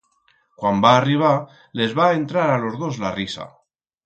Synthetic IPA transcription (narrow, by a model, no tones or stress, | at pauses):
kwambaːriβ̞a | le̞zβae̞nt̪ɾaɾalo̞zðo̞zlarisa̰